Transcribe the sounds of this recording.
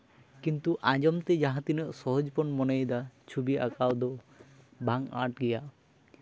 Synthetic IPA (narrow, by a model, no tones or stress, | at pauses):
kint̪uʔãd͡ʒɔmt̪ed͡ʒaɦãt̪inɔʔsɔɦɔd͡ʒpɔnmɔnejd̪at͡ʃʰubiʔa̰kawd̪ɔ | baŋa̰ʈɡijaʔ